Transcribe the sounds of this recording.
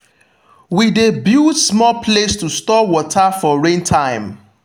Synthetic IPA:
widebjudsmɔlpʰlestustɔwɔtʰafɔɹẽntʰãɪ̃m

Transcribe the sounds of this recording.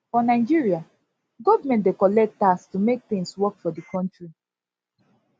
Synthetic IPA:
fɔnaɪd͡ʒiɹia | ɡɔvmɛ̃ntdekɔlɛk̚tastumek̚t̪ɪ̃ŋswɔkfɔdikʰɔ̃ntɹi

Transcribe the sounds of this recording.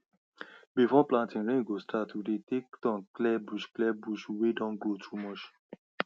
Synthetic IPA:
bifɔplãntĩɹẽɡostʰatʰudetektɔ̃nklɛbuʃklɛbuʃwedɔ̃nɡlotʰumɔt͡ʃ

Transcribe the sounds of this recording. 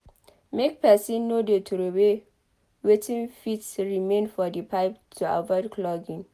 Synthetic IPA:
mek̚pʰɛsĩnːodetʰuɾowe | wetʰĩnfitsɹimẽnfɔdipʰaɪptʰua̰vɔɪdkʰlɔɡĩn

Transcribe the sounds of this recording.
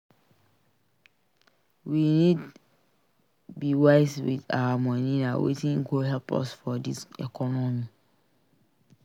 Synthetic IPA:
winĩd | biwaɪswɪ̰dawamɔ̃nĩnãwʔḛtʰĩŋ̩kʰoɦɛpʰɔ̰sfɔdisɛkʰɔnɔ̃mĩ

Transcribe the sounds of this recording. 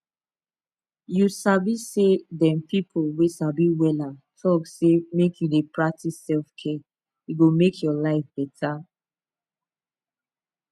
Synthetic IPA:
jusabisedɛ̃mpipʰolwesabiwɛlatʰɔksemekʰjudepɹak̚tʰisɛlfkʰɛ | juɡomekʰjɔlaɪfbɛtʰa

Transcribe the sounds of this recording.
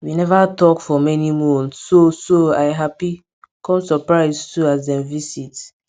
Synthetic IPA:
winɛvatɔkfɔmɛnimɔ̃nːosoajɦapi | kɔ̃msɔpɹaɪztuazdɛ̃mvisit

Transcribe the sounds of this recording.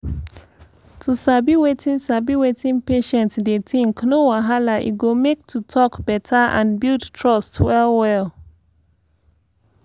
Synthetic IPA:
tʰusabiwetʰĩnsabiwetĩnpeʃɛ̃ntdetĩŋknowaɦalaʔḭɡomek̚tʰutʰɔkb̥ɛtʰəʔã̰nbildtʰɹɔstwɛlwɛl

